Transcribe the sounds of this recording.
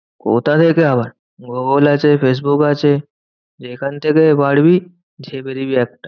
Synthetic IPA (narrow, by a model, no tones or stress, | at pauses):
ko̰ːt̪at̪ʰekeaːbəɾ | ɡoːɡoːlaːt͡ʃepʰeːs̬bukaːt͡ʃe | d͡ʒeːkant̪ʰekebaːɽbʱi | d͡ʒʱeːbeɾibʱiɛːk̚ʈa